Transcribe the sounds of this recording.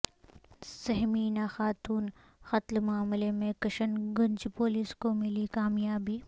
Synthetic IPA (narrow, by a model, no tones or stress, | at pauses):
sɐɦmiːnaxaːt̪uːn | xɐt̪lmaːmlemẽkɐʃənɡʊ̃nt͡ʃpoːliːskomɪlikaːmjaːbiː